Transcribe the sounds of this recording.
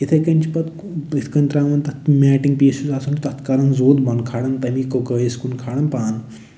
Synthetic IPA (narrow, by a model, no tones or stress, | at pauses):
it̪ʰɐkɐnʲt͡ʃʰipɐt̪ | it̪ʰkɐnʲt̪ɾaːmɐnt̪ɐt̪mʲɛːʈiŋɡ̚peːsuzasʰunt̪ɐt̪kaɾɐnzoːd̪bɐnkʰaːɽɐnt̪ɐmikɐkəjeskunkʰaːɽɐnpaːn